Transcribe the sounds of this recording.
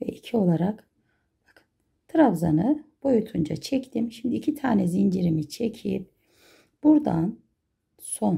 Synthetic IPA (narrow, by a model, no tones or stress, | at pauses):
vɛ̰icʰio̞lˠaɾak | b̥akʰɯn | t̪ʰɯɾavzanɯb̥o̞jut̪ʰund͡ʒa̰t͡ʃʰɛct̪ʰimʃimd̪iːcʰit̪ʰaːnɛzind͡ʒiɾimit͡ʃʰecʰḭp̚ | b̥uɾd̪an | so̞n